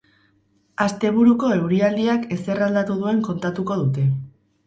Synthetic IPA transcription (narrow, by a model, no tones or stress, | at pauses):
ast̪e̞βuɾuko̞e̞wɾiald̪iake̞se̞rald̪at̪uðue̞ŋko̞nt̪at̪uko̞ðut̪e̞